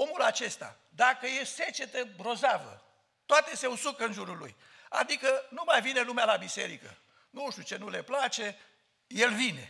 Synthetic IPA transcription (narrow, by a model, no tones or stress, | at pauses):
o̞mulat͡ʃe̞st̪a̰ | d̪akəjese̞t͡ʃe̞t̪əbɾo̞zavə̰ | t̪oat̪e̞se̞usukəɨnʒuɾulṵj | a̰d̪ikənumajvine̞lumealabise̞̰ɾikə̰ | nuʃt̪ʲjut͡ʃe̞nule̞plat͡ʃe̞ | je̞lvine̞